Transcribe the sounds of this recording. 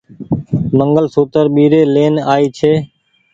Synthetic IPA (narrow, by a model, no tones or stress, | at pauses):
məŋɡəlsoːt̪əɾɓiːɾeːleːnaːiːt͡ʃʰeː